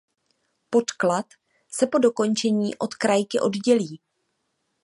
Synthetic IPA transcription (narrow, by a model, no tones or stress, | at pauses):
po̞t̪klat̪ | sɛpo̞do̞ko̞nt͡ʃɛɲiːʔo̞t̪kɾajkɪʔo̞dɟɛliː